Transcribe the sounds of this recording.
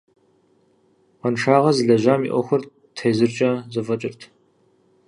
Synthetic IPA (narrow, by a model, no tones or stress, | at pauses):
ʁɐnʂaːʁɐzɨɮɐʑaːmḭʔʷɔxʷʊr | tʰejzɨrt͡ʃʼɐzɐvɐt͡ʃʼɪrtʰ